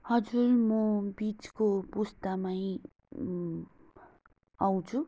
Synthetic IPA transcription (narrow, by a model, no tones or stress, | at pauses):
hʌd͡zurmʌbit͡skopust̪amaj | aw̃t͡sʰu